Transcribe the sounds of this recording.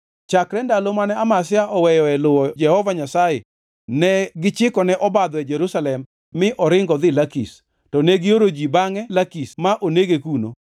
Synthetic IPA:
t͡ʃakɾɛndalomanɛamas̬ɪaʔɔwɛjɔɛlʊwɔd͡ʒɛhɔvaɲasaje | nɛɡɪt͡ʃɪkɔnɛʔɔbad̪ɔɛd͡ʒɛɾusalɛmː | ɪʔɔɾɪŋɡɔd̪ɪlakḭs | tɔnɛɡɪoɾod͡ʒibaŋɛlakismaʔoneɡekuno̰

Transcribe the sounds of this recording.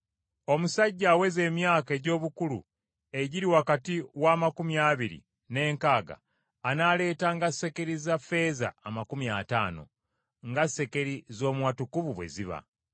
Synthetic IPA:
o̞musaɟːaːwe̞ze̞ːmjaːke̞ːɟo̞ːβukulṵ | e̞ɟiɾiwakatiwaːmakumjaːβiɾḭ | ne̞ːŋkaːɡa̰ː | nale̞ːtaŋɡasːe̞ke̞ɾizafe̞ːza̰ːmakumjataːno̞̰ | ŋɡase̞ke̞ɾizo̞ːmwatukuβuβwe̞̰ziβa̰

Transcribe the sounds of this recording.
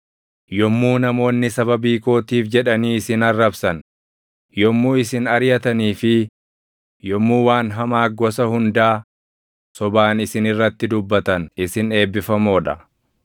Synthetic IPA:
jɔmːuːnɐmo̞ːnːɪsɐbɐbiːko̞ːt̪iːfd͡ʒɛᶑɐniːɪsɪnɐrːɐbsɐn | jɔmːuːɪsɪnɐɾjɐt̪ɐniːfɪ | jɔmːuːwaːnɦɐmaːɡɔsɐhʊnd̪aː | sɔbaːnɪsɪnɪrːɐt̪ːɪd̪ʊbːɐt̪ɐnɪsɪne̞ːbːɪfɐmo̞ːᶑɐ

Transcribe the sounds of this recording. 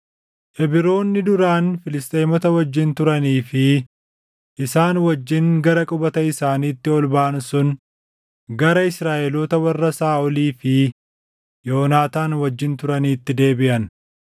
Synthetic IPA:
ʔɛbɪɾo̞ːnːɪd̪ʊɾaːnfɪlɪst̪ʼeːmɔt̪ɐwɐd͡ʒːɪnt̪ʊɾɐniːfɪ | ʔɪsaːnwɐd͡ʒːɪŋɡɐɾɐkʼʊbɐt̪ɐɪsaːniːt̪ːɪɔlbaːnsʊn | ɡɐɾɐɪsɾaːʔɛlɔːt̪ɐwɐrːɐsaːɔliːfɪ | joːnaːt̪aːnwɐd͡ʒːɪnt̪ʊɾɐniːt̪ːɪd̪e̞ːbɪʔɐn

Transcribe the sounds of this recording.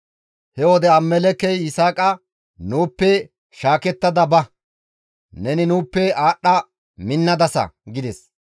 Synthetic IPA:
hɛwɔd̪ɛɐmːɛlɛkːɛjɪsaːkʼɐ | nuːpːɛ | ʃaːkɛt̪ːɐd̪ɐbɐ | nɛnɪnuːpːɛaːɗːɐ | mɪnːɐd̪ɐsɐ̰ɡɪd̪ɛs

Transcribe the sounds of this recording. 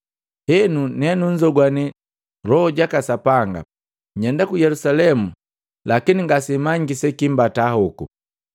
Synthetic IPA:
hɛnunɛnuɲd͡ʒɔɡwani | lɔɟakasapaŋɡa̰ | ɲɛndakujɛlusalɛmu | lakiniŋɡasimaɲɡisɛkimbatahɔku

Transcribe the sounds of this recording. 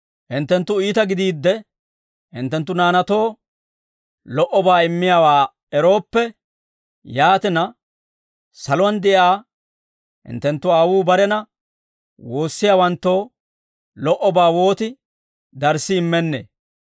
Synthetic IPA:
hɪnt̪ːɛnt̪ːʊiːt̪ɐɡɪd̪iːd̪ːɛ | hɪ̰nt̪ːɛnt̪ːʊnaːnɐt̪o̞ː | lɔʔɔbaːɪmːɪjaːwaː | ɛɾo̞ːpːɛ | jaːt̪ɪnɐ | sɐlʊwɐnd̪ɛʔaː | hɪ̰nt̪ːɛnt̪ːʊaːwuːbɐɾɛnɐ | woːsːɪjaːwɐnt̪ːo̞ː | lɔʔɔbaːwo̞ːt̪ɪ | d̪ɐɾsːɪːmːɛnːḛː

